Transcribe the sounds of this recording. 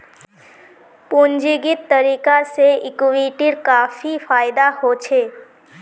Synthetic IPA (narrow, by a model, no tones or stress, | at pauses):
pund͡ʒiɡit̪ːəɾikaseɪkʋiʈiɾkaːfifʰaːjd̪ahot͡ʃʰe